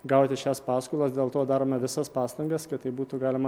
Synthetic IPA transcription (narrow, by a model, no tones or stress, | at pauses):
ɡɐʊt̪ʲɪʃʲæːspɑːskʊːlˠɐsd̪ʲeːlˠt̪oːd̪ɑːɾoːmʲɛʋʲɪsɐspɑːst̪ɐŋɡɐskɐt̪t̪ːɐɪbuːt̪uɡɑːlʲɪmɐ